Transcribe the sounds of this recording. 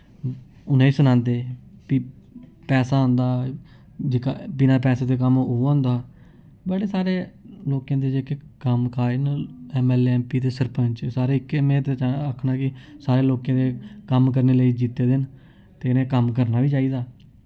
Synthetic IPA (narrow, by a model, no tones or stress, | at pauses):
ʊnẽːiːsʊnãːnd̪eːpiː | pɛːsaːɦõnd̪aː | d͡ʒɪkabɪnaːpɛːseːt̪eːk̬əmõːnd̪aː | bəɽeːsaːɾeːloːkjãːd̪eːd͡ʒeːkekəmkʰaːinɛːmɛːlɛːmpiːt̪eːsəɾpəɲt͡ʃsaːɾeːɪkːmɛ̃ːt̪et͡ʃaəkʰnaːkɪsaːɾeːloːkãːd̪eːkəmk̬əɾneːləiːd͡ʒiːt̪eːd̪ɪn | t̪eːnẽːkəmkəɾnaːʋiːt͡ʃaːiːd̪aː